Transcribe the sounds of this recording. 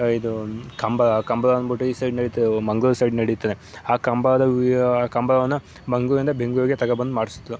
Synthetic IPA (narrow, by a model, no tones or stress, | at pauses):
id̪ukɐmbɐɐkɐmbɐlɐɐnbuʈːuisɐjɖnɐɽit̪ːɐd̪emɐŋɡuɾsɐjɖnɐɽit̪ːɐd̪e | aːkɐmbɐlɐd̪ɐkɐmbɐlɐʋɐnːɐ | mɐŋɡulind̪ɐbʱeŋɡuɾɐɡet̪ɐɡɐbɐnd̪umaːɽisi̥t̪ːu